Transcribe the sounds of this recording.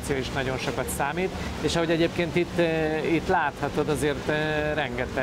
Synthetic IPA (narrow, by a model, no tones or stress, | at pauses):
t̪sijoːiʃnɒɟo̞nʃo̞kɒt̪saːmiːt̪ | eːʃɒɦo̞ɟɛɟeːpkeːnt̪it̪ːit̪laːt̪hɒt̪o̞d̪ɒzeːrt̪rɛŋɡɛt̪ɛ